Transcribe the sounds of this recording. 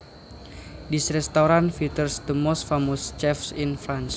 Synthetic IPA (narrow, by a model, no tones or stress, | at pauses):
disɾɛst̪aɾanfit̪ərsd̪əmɔsfamost͡ʃɛfsinfɾans